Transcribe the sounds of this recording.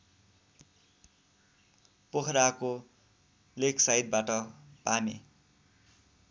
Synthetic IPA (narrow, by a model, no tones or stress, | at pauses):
pokʰɾako | lekʰsajd̪̚baʈʌpamḛ